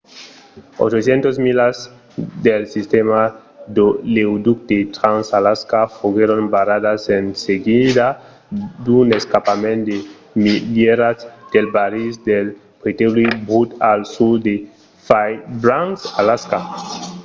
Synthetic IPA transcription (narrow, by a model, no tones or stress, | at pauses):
o̰t͡ʃoθjent̪ozmilaz | d̪elsist̪ema | d̪olewd̪uk̚t̪et̪ɾansalaskafoɣeɾonbaɾaðasenseɡid̪a | d̪uneskapamẽnt̪d̪e | mileɾazd̪̥elbaɾisd̪el | pɾet̪eβlibut̪alsud̪e | fajbɾansalaska